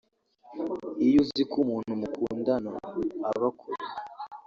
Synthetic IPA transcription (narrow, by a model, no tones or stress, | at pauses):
ijuzikumuːnhumukʰuːndano̰aβakʰuɾe